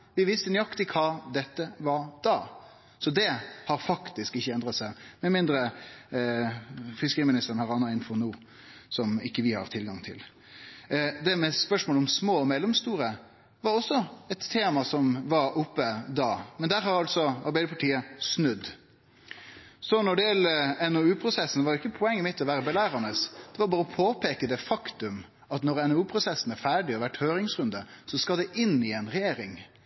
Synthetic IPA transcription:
ʋɪʋɪst̪ənʏɑkt̪ɪkʰɑːd̪ɛt̪ːəʋɑɾd̪̥ɑː | sɔd̪ɛhɑɾfɑkt̪ɪskɪçːəɛnd̪ɾɑt̪sæɪmɛmɪnd̪ɾə | fɪskəɾiːmɪnɪst̪əɾən̩hɑʁɑnːɑɪnfɔʁnuː | sɔmɪkːəʋɪhɑ̰ʁt̪ʰɪlɡɑŋt̪ʰɪ̰l | d̪ɛmɛspœʂmoːlɔmsmoːmɛlːɛmst̪uːɾə | ʋɑɾɔsːɔɛt̪ʰːeːmɑsɔmʋɑɾʊpːəd̪ɑːmɛnd̪æːɾɦɑɾɑlt̪sɔɑɾbæɪd̪əpʰɑʈiːəsnʉd̪ | sɔnɔɖɪjɛləɛnɔʉːpʰɾʊsɛsːnʋɑːɾʊɪkːəpʰʊɛŋːəmɪt̪ʰːɔʋæːɾəbɛlæːɾɑnəsd̪̥ɛʋɑɾbɑːɾəɔpʰoːpʰeːkəd̪ɛfɑkt̪ʉm | ɑt̪nɔɾɛnɛɾʉːpʰɾʊsɛsːn̩æɾfæːɖɪɔʋæʈhøːɾɪŋsɾʉnd̪əsɔskɑld̪ɛʔɪnːɪɛnɾɛjeːɾɪ̰ŋ

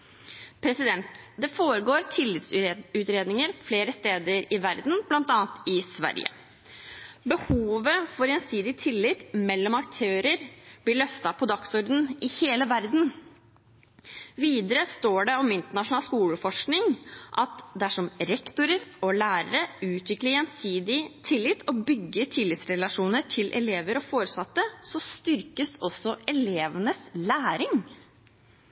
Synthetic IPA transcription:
pʰɾɛsɪd̪ɛnt̪d̪ɛfoːɾəɡoːɾt̪ʰɪlːɪt̪sʉːt̪ɾeːd̪nɪŋəɾfleːɾəst̪eːd̪əɾɪʋæɾd̪n̩blɑnt̪ɑːnt̪ɪsʋæ̰ɾjə̰ | bəhuːʋəfɔɾɛːnsiːd̪ɪt̪ʰɪlːɪt̪mɛlːɔmɑk̚t̪ʰøːɾəɾb̥lɪɭœft̪ɑpʰɔd̪ɑksɔɾd̪n̩ɪheːləʋæɾd̪n | ʋiːd̪əɾəst̪oːɖɛɔmɪnt̪əɳɑʂʊnɑːlskuːləfɔʂknɪŋʔɑt̪d̪æʂɔmɾɛkt̪ʊɾəɾɔlæːɾəɾəʉːt̪ʋɪkləɾɛːnsiːd̪ɪt̪ʰɪlːɪt̪ʰːɔbʏɡːəʈʰɪlːɪt̪sɾɛlɑʂuːnəʈʰɪlʔɛ̰leːʋəɾɔfoːɾəsɑt̪ːəsɔst̪ʏɾkəsɔsːɔɛleːʋənəslæːɾɪŋ

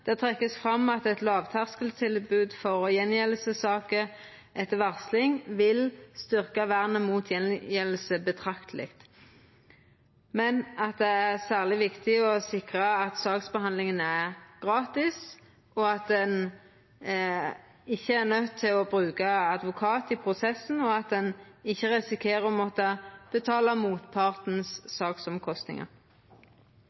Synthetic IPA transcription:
d̪̥ɛt̪ʰʁɛkːəsfʁɑmɑt̪ɛt̪lɑːʋt̪ʰæʁskəlt̪ʰɪlbʉːd̪fɔʁɔjɛnjɛləsəsɑːkə | ʔɛt̪ːəʋæʁslɪŋʋɪlst̪ʏʁkɑʋæʁnəmuːt̪ʰjɛnjɛlːəsəbət̪ʰʁɑkt̪ʰlɪ̰kt̪ | mɛnɑt̪̚d̪ɛæʁsæːʁlɪʋɪkt̪ɪɔsɪkʁɑɑt̪sɑːksbəhɑnd̪lɪŋənæʁɡ̥ʁɑːt̪ɪs | ɔɑt̪̚d̪ɛn | ɪçːəæʁnœt̪ʰːɪlɔbʁʉːkɑɑd̪ʋʊkʰɑːt̪ɪpʰʁʊsɛsn̩ɔɑt̪̚d̪ɛnɪçːəʁɛsɪkʰeːʁəmɔt̪ːɑb̥ət̪ʰɑːlɑmuːt̪pʰɑʁt̪n̩sːɑːksɔmkʰɔst̪nɪ̰ŋə̰ʁ

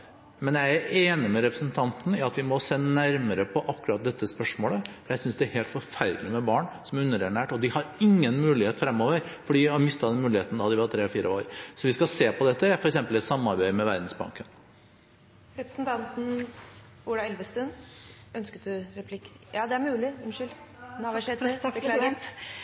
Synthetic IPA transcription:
mɛnjæɪæɾʔeːnɪmɛɾɛpɾəsnt̪ʰɑnt̪n̩æɾɑt̪ʋɪmɔsɛnnæɾməɾəpʰɔʔɑkːʉɾɑt̪̚d̪ɛt̪ːəspœʂmoːləfɔɾjæɪsʏnsd̪ɛæɾheːlt̪fɔɾfæɾlɪmɛbɑːɳsɔmʉnːəɾæɳæːʈɔd̪ɪhɑɾɪŋːənmʉːlɪheːt̪fɾɛmːoːʋəɾfɔɖiːɑɾmɪst̪ɑd̪ɛnmʉːlɪheːt̪n̩d̪ɑd̪ɪʋɑɾt̪ʰɾeːɔfiːɾʔəo̰ːɾsɔʋɪskɑseːpʰɔd̪ɛt̪ːəfɔɾɛksɛmpəlɛt̪sɑmːɑɾbæɪmɛʋæɾd̪n̩sbɑ̰ŋkən | ɾɛpɾɛsnt̪ʰɑnt̪n̩ | uɖɑɛlʋəst̪ʉnœnskət̪d̪ʉɾɛpʰlɪkjɑːd̪ɛæɾmʉːlɪɛmʃʏlnɑʋæʂɛt̪əklːɾt̪

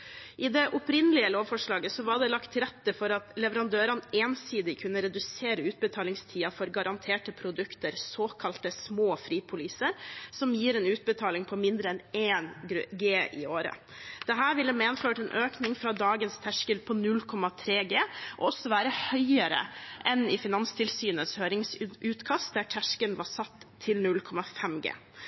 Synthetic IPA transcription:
ʔɪd̪ɛʔʊpɾɪnəlɪəloːʋfɔʂɭɑːɡəsɔʋɑɖ̪ɛlɑkt̪ʰːɪɾɛt̪ːəfɔɾɑt̪lɛʋəɾɑnd̪øːɾɑneːnsiːd̪ɪkʰʉnːəɾɛd̪ʉseːɾəʉːt̪̚bət̪ʰɑːlɪŋst̪ʰiːɑfɔɾɡɑɾɑnt̪ʰeːʈəpʰɾʊd̪ʉkt̪əɾsoːkʰɑlt̪əsmoːfɾiːpʰʊliːsəɾsɔmjiːɾɛːnʉːt̪̚bət̪ʰɑːlɪŋpʰɔmɪnd̪ɾəɛneːnɡeːʔɪ̰oːɾə̰ | d̪̥ɛɦæːɾʋɪlːəmeːnføːʈɛːnʔøːknɪŋfɾɑːd̪ɑːɡənst̪ʰæʂkəlpʰɔnʉlkʰɔmɑt̪ʰɾeːɡeːʔɔɔsːɔʋæːɾəhœʏəɾə̰ʔɛnɪfɪnɑnst̪ʰɪlsyːnəshøːɾɪŋsʉːt̪kʰɑst̪̚d̪æʈʰæʂkənʋɑsɑt̪ʰːɪlnʉlkʰɔmɑfɛmɡḛː

